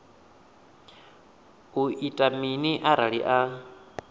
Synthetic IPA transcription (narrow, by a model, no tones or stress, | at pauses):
uʔitʼaminiʔaɾaɺḭʔa